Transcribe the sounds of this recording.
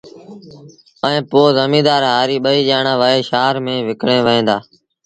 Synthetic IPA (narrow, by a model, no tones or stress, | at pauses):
əẽːpoːzəmĩːd̪aːɾɦaːɾiːɓəiːʄaːɳãːʋəːeːʃaːɾmẽːʋɪkɽẽːʋəẽːd̪aː